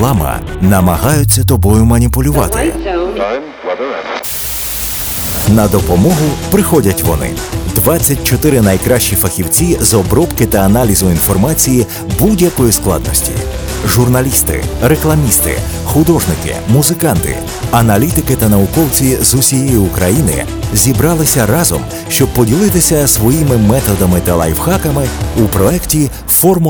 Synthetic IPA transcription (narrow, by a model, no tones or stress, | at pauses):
ɑmɐ̰nɐmɐɦɑjʊt͡sʲːɐt̪ɔbɔjʊmɐnʲipʊlʲʊʋɑ̰t̪ɪ̰ | nɐd̪ɔpɔmɔɦʊpɾɪxɔdʲɐtʲʋɔ̰nɪ̰d̪ʋat͡sʲːɐt̚ʲt͡ʃɔt̪ɪɾɪnɐjkɾaʃʲt͡ʃːifɐxʲiwt͡sʲizɔbɾɔpkɪt̪ɐːnalʲizʊinfɔrmat͡sʲiji | budʲjɐkɔjisklˠɑ̰d̪̚nɔ̰sʲtʲḭ | ʒʊrnɐlʲist̪ɪ̰ɾeklˠɐmʲist̪ɪ̰ | xʊd̪ɔʒnɪkɪ̰muzɪkɑnt̪ɪ̰ | ɐnɐlʲit̪ɪkɪt̪ɐnɐʋʊkɔwt͡sʲizʊsʲijɛjʊʊkɾɐjinɪ̰ | zʲibɾɑlˠɪsʲɐɾɑzɔ̰m | ʃt͡ʃɔb̚pːɔdʲilˠɪt̪ɪsʲɐsʋɔjimɪmɛt̪ɔd̪ɐmɪt̪ɐlˠa̰jwxɑkɐmɪupɾɔɛktʲi | fɔrm